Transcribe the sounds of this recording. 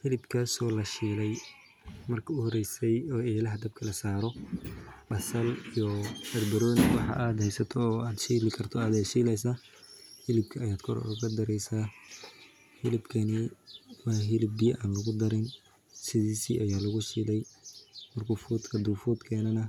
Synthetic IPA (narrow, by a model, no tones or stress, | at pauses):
hɪlɪbkʰaːsɔːlɐʃiːlɛj | mɐrkʰɐʊhɔrɛjsɛjɔːɛːlɐɦɐd̪ɐb̚kʰɐlɐsaːɾɔ | bɐsɐlijɔbɐd̪bɐɾɔːnɪwɑħɑ̰ʔaːd̪hɛjsɐt̪ʰɔːaːd̪ʃiːlɪkʰɐrt̪ʰɔaːd̪ɛʃiːlɛjs̬aː | hɪlɪb̚kʰɐːjaːd̪kʰɔɾɔ̰ʊɣɐd̪ɐɾɛjsaː | ħɪlɪbkʰɐnɪwɑːɦɪlɪbbijʔaːnlɐɣʊd̪ɐɾɪn | sɪðiːsḭʔɐjaːlɐɣʊsiːlɛjmɐrkʊfuːd̪kʰɐd̪uːfuːd̪kʰɛːnɐnɐ